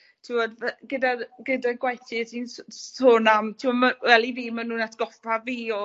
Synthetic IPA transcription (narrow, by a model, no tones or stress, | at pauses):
tʰɪwɔdvɛɡədaɡədaɡwajtitʰinsonamtʰɪɔmawɛlˠiviːmanuːnatʰɡ̥ɔfaviːɔ